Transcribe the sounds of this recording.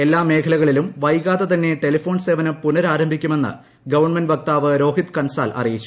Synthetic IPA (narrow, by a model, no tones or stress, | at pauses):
e̞lːaːme̞ːkʰɐlɐɣɐɭilumʋɐjkaːt̪ːɐt̪ɐnːe̞ʈelifo̞ːnseːʋɐnɨpunɐɾaːɾɐmbʱikʲːume̞nːɨ̰ | ɡɐʋɐrɳmenɖʋɐk̚t̪aːʋɨɾo̞ːɦit̪kɐnsa̰ːlʔɐ̰rijit͡ɕːu̥